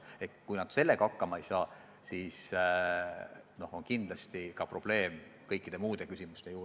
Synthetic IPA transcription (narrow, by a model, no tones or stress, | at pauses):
ekkujnɑd̪̥se̞lːe̞ɡ̥ɑɑkːɑmɑejsɑː | siːs | no̞ho̞nkind̪̥lɑst̪ikɑpro̞b̥le̞ːmkɤjkːˑid̪̥e̞muːd̪̥e̞kysʲimust̪e̞juː